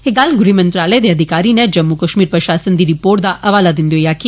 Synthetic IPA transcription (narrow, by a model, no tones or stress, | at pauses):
eɡalɡɾimənt̪ɾaləed̪eəd̪ʱikaɾined͡ʒəmːukəʃmiɾpɾəʃasənd̪iɾipoɾd̪aʔɐʋalad̪ind̪jojakʰi